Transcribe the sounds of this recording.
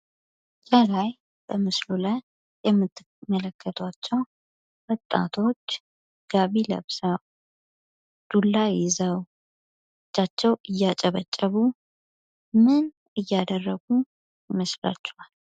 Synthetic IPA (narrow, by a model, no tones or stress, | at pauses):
d͡ʒalaj | bəmɨsluləj | jɛmːɨt̪ː | mələkʰːət̪ʰat͡ʃːɛw | wɔt̪ʼːa̰t̪ʰo̞t͡ʃː | ɡ̥aβilə̰βsaw | d̪̥ulːajɪzəw | ɨt͡ʃːat͡ʃːɛwɨjːat͡ʃʼəβət͡ʃʼːəβu | mɨn | ɨjːad̪ərːəɡu | jɪməsla̰t͡ʃːɛwal